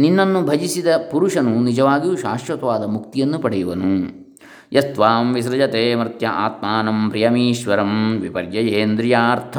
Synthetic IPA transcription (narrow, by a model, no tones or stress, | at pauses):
ninːɐnːubʱɐd͡ʒisid̪ɐpuɾuʂɐnunid͡ʒɐʋaːɡijuʃaːʃʋɐt̪ɐʋaːd̪ɐmukt̪ijɐnːupɐɽɛjuʋɐnu | jʔɐst̪ʋaːmʋisɾɐd͡ʒɐt̪eːmɾt̪jɐʔaːt̪maːnɐmpɾijɐmiːʃʋɐɾɐmʋipɐɾjɐjeːnd̪ɾijaːɾt̪ʰɐ